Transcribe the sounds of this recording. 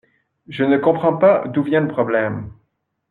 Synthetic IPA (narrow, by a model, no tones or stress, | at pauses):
ʒənəkɔ̃pχɑ̃pad̪uvjɛ̃ləpχɔblɛm